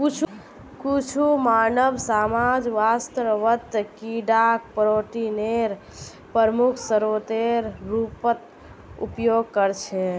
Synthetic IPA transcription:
kut͡ʃʰ | kut͡ʃʰumanəbsamad͡ʒʋast̪ɾəʋət̪kiɖak̚pɾoʈineɾ | pəɾmukʰsəɾot̪eɾɾupət̪ | ṵpjoɡ̚kəɾt͡ʃʰɛ

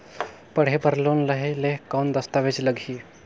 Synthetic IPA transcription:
pəɽ̤epəɾloːnləɦeleɦkawnd̪əst̪aʋet͡ɕləɡʱiː

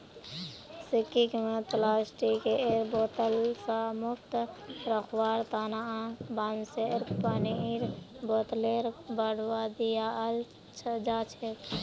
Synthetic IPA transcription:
sikikmẽt̪lasʈikeeɾbot̪əlsãmukʰt̪ɾəkʰwaɾt̪anaãbanseɾpəniɾbot̪leɾbəɽ̤wad̪ijaəl | t͡ʃʰəd͡ʒat͡ʃʰe

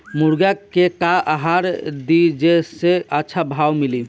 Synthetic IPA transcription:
muɾɡakekaʔaɦaɾd̪id͡ʒeseətːʃʰabʱawmili

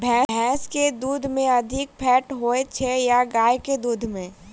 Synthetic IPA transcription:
bʱɛːbʱɛːsked̪uːd̪ʱmẽɐd̪ʱɪk̚pʰɛːʈɦoet͡ʃʰejaɡaːjked̪uːd̪ʱmẽ

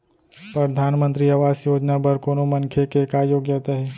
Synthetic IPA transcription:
pɾəd̪ʱaːnmə̃nt̪ɾiaʋaːsjoːd͡ʒnapɐɾkoːnomɐnkʰekekaːjoːɡjaːt̪aɦɛː

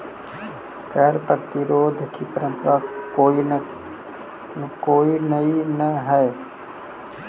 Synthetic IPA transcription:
kɛːɾpət̪iɾoːd̪ʱəkʰipəɾə̃mp̪ɾao | koːinəinəɦɛː

